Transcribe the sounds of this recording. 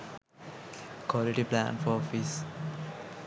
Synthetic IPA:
kɔliʈiplæ̰̃nfɔɾɔfis

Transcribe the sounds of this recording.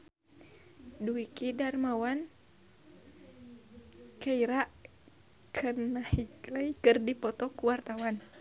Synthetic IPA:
duikidarmawan | kaiɾaʔ | kʰənahiklajkərdipɔt̪ɔkuwart̪awan

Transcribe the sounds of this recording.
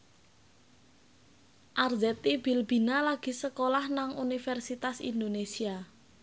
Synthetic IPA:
ʔarzɛt̪ibi̤lbi̤nalaɡ̥i̤səkolahnaŋunifɛrsit̪asḭnd̪onesia

